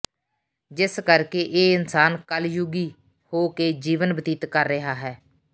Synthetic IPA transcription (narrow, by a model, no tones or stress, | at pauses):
d͡ʒɪskəɾkeːʔeːɪnsaːnkəljʊɡiː | hoːkeːd͡ʒiːʋənbət̪iːt̪kəɾːəɦaːɦɛː